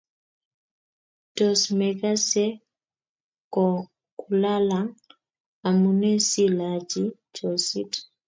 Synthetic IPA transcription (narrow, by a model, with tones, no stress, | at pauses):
tɔ˨smɛ˨ka˦sɛ˦ | kɔ˨ | ku˨la˦la˨ŋ | a˨mu˨nɛ˦si˦la˨d͡ʒi˦ | t͡ʃɔ˨sḭ˦t